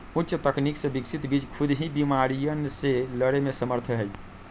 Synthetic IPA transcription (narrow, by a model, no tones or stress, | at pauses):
utːʃət̪əkniksẽbiksit̪bit͡ʃkʰud̪ʱɦĩbimaɾijənseləɽemesəməɾt̪ʰɦəj